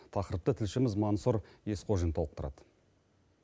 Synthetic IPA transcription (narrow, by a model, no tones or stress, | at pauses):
t̪ʰɑqəɾəp̚t̪ət̪ʰɪlʃɪmɪzmonsuɾje̞sqʰoʒənt̪ʰoəq̚t̪ʰɾɑ̰d̪̥ə